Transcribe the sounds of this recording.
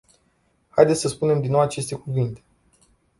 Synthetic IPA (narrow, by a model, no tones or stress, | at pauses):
hajd̪esʲsəspune̞md̪ino̞wat͡ʃe̞st̪e̞kuvint̪e̞̥